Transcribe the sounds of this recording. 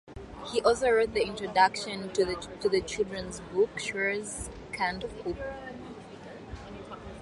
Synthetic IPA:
hiʔɔlˠsoɹot̪̚ðiɪ̃ntɹ̥ɔdʌkʃɨ̃ntðtɨðɨt͡ʃɪlˠdɹə̃nzbukʃɜɹz | kʰæ̃ndkʰup

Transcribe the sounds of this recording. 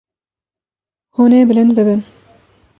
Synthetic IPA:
hoːneːbɨlɨnd̪bɨbɨn

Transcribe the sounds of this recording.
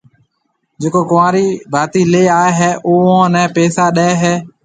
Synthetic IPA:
d͡ʒeːkoːkʊʋãːɾiːbʱaːt̪iːleːaːeɦɛːʔuːõːnɛ̃ːpeːsaːɗɛːɦɛː

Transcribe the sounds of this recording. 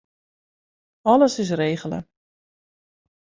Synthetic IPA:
ɔləsɪs̬reːɣələ̰

